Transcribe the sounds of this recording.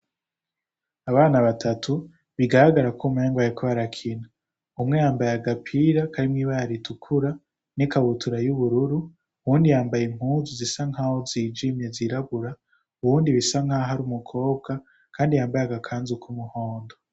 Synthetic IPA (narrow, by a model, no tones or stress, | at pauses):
aβaːnaβatʰatʰu | βiɡaɾaɡaɾakumeːŋɡwajekoβaɾakʰina | umŋe̞jaːmbajaɡapʰiɾakaɾimŋiːβaaɾitʰukʰuɾa | nikaβutʰuɾajuβuɾuɾu | βuːndijaːmbajem̥huːnzuzisaŋhahoziːd͡ʒimje̞ziɾaβuɾa | uβuːndiβisaŋhaɦaɾumukʰo̞ːbɡa | kʰaːndijaːmbajaɡakʰaːnzukʰumuhoːndo